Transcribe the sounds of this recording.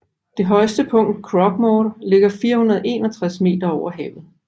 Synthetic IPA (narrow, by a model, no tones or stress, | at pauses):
d̥e̝ɦɒ̽ɪsd̥əpʰɔ̽ŋ̰d̥kʰʁɒ̽ɡ̥mɒːɾɐle̝ɡ̥ɐfiːɐhunɐðˠʔe̝ːnɐt͡sʰʁasme̝̰ːd̥ɐɒʊ̰ɐɦɛːʊð̩ˠ